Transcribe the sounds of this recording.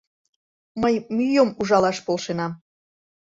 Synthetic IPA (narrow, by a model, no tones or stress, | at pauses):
məjmyjəmuʒɑlɑʃpolʃenɑm